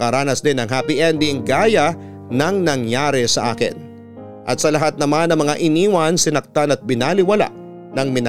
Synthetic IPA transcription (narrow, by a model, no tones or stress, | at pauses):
kɐɾaːnɐsd̪ɪnːɐŋɦapɪʔɛnd̪iŋɡaːjɐ | nɐŋnɐŋjaːɾɛsɐʔa̰ːkɪ̰n | ʔɐt̪̚sɐlɐɦat̪̚nɐmanːɐŋmɐŋaʔɪniːwɐnsɪnɐk̚t̪anɐt̪̚bɪnalɪwɐla̰ʔ | nɐŋmɪnɐ